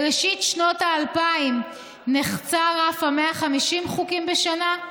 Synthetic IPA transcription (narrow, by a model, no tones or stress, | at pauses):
ʁeʃitʃnotaːlpaim | neχt͡saʁafameaχamiʃimχukimbeʃana